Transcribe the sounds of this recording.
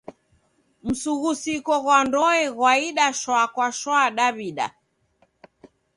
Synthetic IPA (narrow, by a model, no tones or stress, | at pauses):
m̩suɣusikɔɣwandɔɛɣwaiɗaʃwakwaʃwaːɗaβiɗa̰